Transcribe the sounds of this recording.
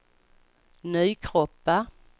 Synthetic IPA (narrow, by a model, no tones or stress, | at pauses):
nyːkʰɾɔpːa